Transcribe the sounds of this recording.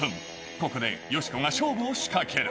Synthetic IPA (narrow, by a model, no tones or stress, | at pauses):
ɯ̃ŋ | ko̞ko̞d̪e̞̰jo̞ɕi̥koŋaɕo̞ːboːɕi̥kakʰeɾɯ